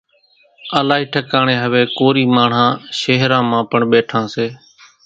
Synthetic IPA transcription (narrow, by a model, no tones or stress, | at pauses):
əlaːɦiːʈʰəkaːɳeːɦəʋeːkoːɾiːmaːɳ̤ãːʃeːɦɾãːmãːpəɳɓeːʈʰãːseː